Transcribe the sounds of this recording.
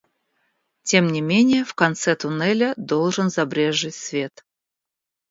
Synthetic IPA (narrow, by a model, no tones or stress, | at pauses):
tʲe̞mnʲɪmʲenʲɪjəfkɐnt̪sɛt̪ʊnɛlʲəd̪olˠʐɨnzɐbɾʲeʐːɨtʲsvʲe̞t̪